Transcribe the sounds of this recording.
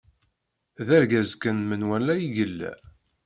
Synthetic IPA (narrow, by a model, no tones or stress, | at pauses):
ðæɾɡæzkənmənwælːæjiʝəlːæ̰